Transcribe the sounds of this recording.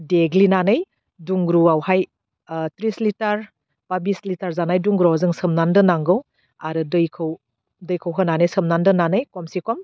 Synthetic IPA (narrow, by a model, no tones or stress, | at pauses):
deɡlinanɯj | duŋɡɾuawhaj | tɾislitaɾ | pabislitaɾzanajduŋɡɾuawzɯŋsɯmnandɯnaŋɡɯw | aɾɯdɯjkʰɯw | dɯjkʰəwɦananɯjsɯmnandɯnanɯjkɔmsikɔm